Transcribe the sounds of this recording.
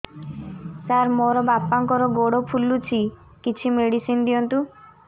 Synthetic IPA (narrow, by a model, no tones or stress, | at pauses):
saɾmoɾɔbapːaŋkɔɾɔɡoɽɔpʰulːut͡ʃʰi | kit͡ʃʰimeɽisind̪ijɔnt̪u